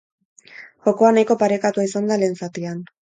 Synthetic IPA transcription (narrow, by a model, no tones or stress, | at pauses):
xo̞ko̞anajko̞paɾe̞kat̪uaisand̪ale̞ːnsat̪ian